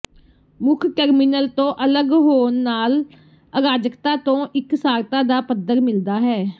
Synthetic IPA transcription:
mʊkʰkɛːɾmiːnəlt̪õːʔələɡɦoːnːaːl | əɾaːd͡ʒəkt̪aːt̪õːʔɪksaːɾt̪ãːd̪aːpəd̪əɾmɪld̪aːɦɛː

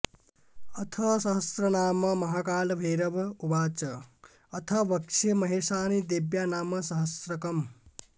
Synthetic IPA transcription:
ʌt̪ʰʌsʌɦʌsɾʌnaːmʌmʌɦakaːlbʱeɾʌbubaːt͡ʃʌ | ʌt̪ʰʌbʌkt͡ʃʰʌmʌɦesanid̪ebjanaːmʌsʌɦʌsɾʌkʌm

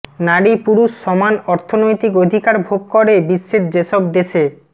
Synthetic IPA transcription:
naɽipuɾuʃːɔmanɔɾt̪ʰonojt̪ikod̪ʱikaɾbʱokkɔɾebiʃːeɾd͡ʑeʃɔb̚d̪eʃʰe

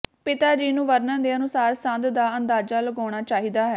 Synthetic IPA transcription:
pɪt̪aːd͡ʒiːnũːʋəɾnə̃ːd̪eːənʊsaːɾsə̃nd̪d̪aːənd̪aːd͡ʒaːləɡɔːɽ̃aːt͡ʃaːɦiːd̪aːɦɛː

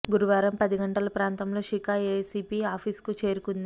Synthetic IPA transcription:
ɡuɾuʋaːɾɐmpɐd̪iɡɐɳʈɐlɐpɾaːnt̪ɐmlo̞ːʃikaːesiːpiːaːpʰiːskut͡ʃe̞ːɾukund̪i

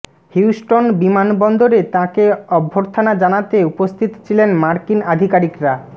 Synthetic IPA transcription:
hjuwsʈonbimanbɔnd̪oɾet̪ãkeɔbʱːoɾt̪ʰanad͡ʑanat̪eupost̪ʰit̪ot͡ɕʰilenmaɾkinad̪ʱikaɾikɾa

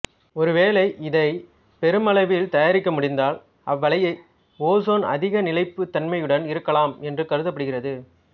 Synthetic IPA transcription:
ɔɾɯʋeːlɐɪʔɪðɐɪ | pɛɾɯmɐlɐɪʋɪlt̪ɐjaːɾɪkːɐmʊɽɪnd̪aːl | ʔɐʋːɐlɐjɐɪ | oːsoːnɐ̰ðɪɣɐnɪlɐɪpːɯt̪ːɐnmɐjɯɽɐnɪɾɯkːɐlaːmɛndrɯkɐɾɯðɐpːɐɽɯɣɪrɐðɯ

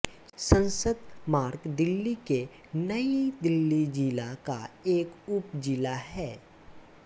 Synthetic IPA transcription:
sə̃nsəd̪maːɾɡd̪ɪlːike | nɐid̪ɪlːid͡ʒilaka̰eːkʊpd͡ʒilaɦɛː

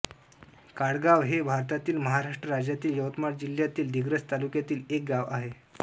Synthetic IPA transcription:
kaɽɡaʋɦebʱaɾt̪at̪iːlməɦaɾaʂʈɾəɾad͡ʑjat̪iːljəʋt̪maɽd͡ʑiljat̪iːld̪ʱiɡɾət͡st̪alukjat̪iːlek̚ɡaʋaɦe

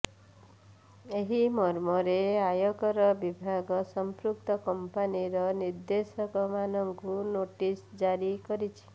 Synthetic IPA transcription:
eɦimɔɾmɔɾeajɔkɔɾɔbibʱaɡɔsɔmpɾuk̚t̪ɔkɔmpaniɾɔniɾd̪esɔkɔmanɔŋkunoʈisd͡ʒaɾikɔɾit͡ʃʰi̥

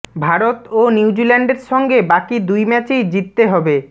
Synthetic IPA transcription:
bʱaɾot̪oniwd͡ʑilɛɳɖeɾʃɔŋɡebakid̪ujmɛt͡ɕed͡ʑit̪ːeɦɔbe

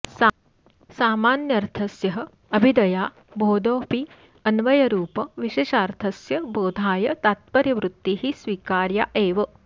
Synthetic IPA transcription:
saːmaːnjɐɾt̪ʰɐsjɐɦɐ̆ | ɐbʱid̪ɐjaː | bʱoːd̪oːpi | ɐnʋɐjɐɾuːpɐʋiʃeːʃaːɾt̪ʰɐsjɐboːd̪ʱaːjɐt̪at̪̚pɐɾjɐʋɾut̪ːiɦisʋiːkaːɾjaːʔeːʋɐ

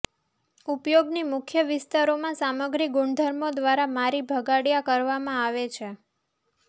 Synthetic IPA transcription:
upjoɡnimʊkʰjəʋɪst̪aɾomãsaməɡɾiɡʊɳd̪ʱəɾmod̪ʋaɾamaɾibʱəɡaɽjakəɾʋamãaʋet͡ʃʰe

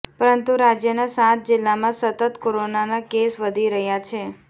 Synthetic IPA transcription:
pəɾənt̪uɾad͡ʒjənasãt̪̚d͡ʒɪlːamãsət̪ət̪koɾonanakesʋəd̪ʱiɾəɦjat͡ʃʰe

